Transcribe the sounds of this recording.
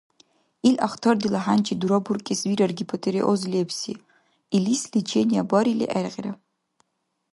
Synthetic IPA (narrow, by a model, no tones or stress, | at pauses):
ilʲʔaχtʰordilaħant͡ʃʰiduɾaburkʲʼiswiɾarɡʲipʰatʰeɾiʔozlepʰsi | ilislit͡ʃʰenʲiabʷaɾilʲḭʔarqʲʼra